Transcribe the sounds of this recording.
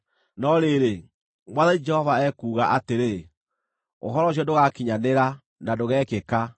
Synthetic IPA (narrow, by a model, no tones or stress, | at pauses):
nɔɾeɾe | mwaðaid͡ʒɛhɔvaɛːkuːɣaʔateɾe | o̰ɦɔɾɔɕ̬ɔdoɣakiɲaneɾa | nadoɣɛːkeka